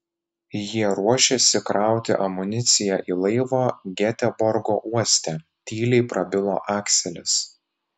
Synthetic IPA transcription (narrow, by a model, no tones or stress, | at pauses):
jiɛɾuɔʃʲesʲɪkɾɑˑʊt̪ʲɪ̰ʔɐmʊnʲɪt̪sʲɪjæʔiːlˠɐɪʋoːɡʲɛt̪ʲɛbɔɾɡoːʔuɔsʲt̪ʲɛ | t̪ʲiːlʲɛɪpɾɐbʲɪlˠo̰ːʔɑːksʲɛlʲɪs